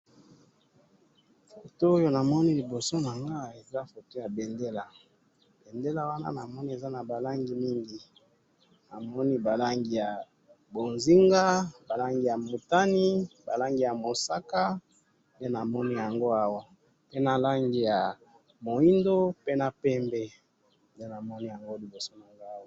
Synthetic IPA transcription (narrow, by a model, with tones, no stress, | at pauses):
fo˨toː˦jo˦na˨mɔ˦ni˦li˨bo˨so˦na˨ŋɡa˦e˨za˦fo˨to˦ja˨be˨nde˦la˨ | b̥e˨nde˦la˦wa˦na̰˦na˨mɔ˦ni˦e˨za˦na˨ba˨la˦ŋɡi˦mi˦ŋɡi˨ | na˨mɔ˦ni˦ba˨la˦ŋɡi˦ja˨ | bo˨nzi˦ŋɡa˦ba˨la˦ŋɡi˦ja˨mu˨ta˦ni˦ba˨la˦ŋɡi˦ja˨mo˨sa˦ka˦ | nde˦na˨mɔ˦ni˦ja˨ŋɡo˦a˦wa˦ | pe˦na˨la˦ŋɡi˦ja˨ | mo˨i˦ndo˦pe˦na˨pɛ˦mbɛ˦ | nde˦na˨mɔ˦ni˦ja˨ŋɡo˦li˨bo˨so˦na˨ŋɡa˦˨˦